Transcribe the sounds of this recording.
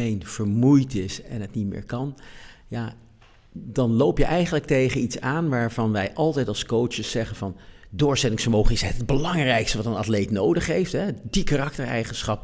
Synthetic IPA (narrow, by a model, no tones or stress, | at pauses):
ejnv̥əɹmujtɪsɛ̰nɦətnitmɪ̰ːɹkɑnjaː | dɑnlowpjəʔɛjχənlək̚tejχənitsaːnʋaːɹvɑnʋɛjʔɑlˠtɛjtɑlˠskowt͡ʃəsɛχənvɑndʊːɹsɛtɪŋsfəɹmowχənɪsɦətd̚bəlɑŋrɛjkstəʋɑtənɑtlejtnowdəχɦejftɦɛdikarɑktəɹɛ̰jχənsχɑp